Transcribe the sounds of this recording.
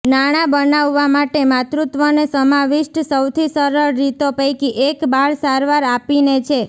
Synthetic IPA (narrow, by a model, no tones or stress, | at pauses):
naɽ̃abənaʋːamaʈemat̪ɾut̪ʋənesəmaʋiʃʈsəwt̪ʰisəɾəɭːit̪opəjkiʔekbaɭsaɾʋaɾapinet͡ʃʰe